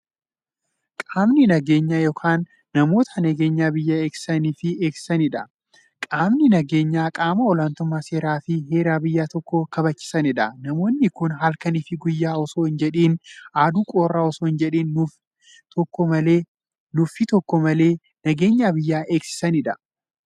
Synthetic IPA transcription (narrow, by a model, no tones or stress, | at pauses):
kʼaːmnɪnɐɡe̞ːɲːajo̞ːkʰaːnː | ɐmo̞ːt̪ʰɐnɐɡe̞ːɲːaːbɪjːaːe̞ːksɪ̥sɐniːfɪe̞ːksɪ̥sɐnɪᶑɐ | kʼaːmnɪnɐɡeːɲːaːkʼaːmɐɔlaːnt̪ʊmːaːse̞ːɾaːfɪɦe̞ːɾaːbɪjːaːt̪ɔkːɔkɐbɐt͡ʃːɪ̥sɐnɪᶑɐnɐmo̞ːnːɪkʊnɦɐlkɐniːfɪɡʊjːaːɔsoːɪnd͡ʒɛᶑeːnʔaːd̪uːkʼo̞ːrːaːɔsoːɪnd͡ʒɛᶑeːnːʊf | t̪ɔkːɔmɐleː | nʊfɪt̪ɔkːɔmɐle̞ː | nɐɡeːɲːaːbɪjːaːʔe̞ːksɪ̥sɐnɪᶑɐ̥